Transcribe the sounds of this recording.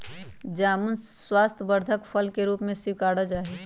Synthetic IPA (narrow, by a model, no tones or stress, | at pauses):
d͡ʒaːmənswaːst̪ʰbəɾd̪ʱəkpʰəlkeɾuːpmẽsɪwkaːɽad͡ʒaːɦɛ